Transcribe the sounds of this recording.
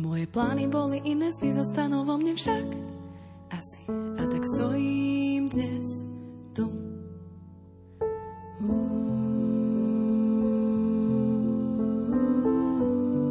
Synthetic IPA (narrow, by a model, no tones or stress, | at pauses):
mɔjɛplaːnibɔliʔinɛsnizɔst̪anuvɔmɲɛfʃak | ʔasi̥at̪akst̪ɔjimd̪ɲɛst̪u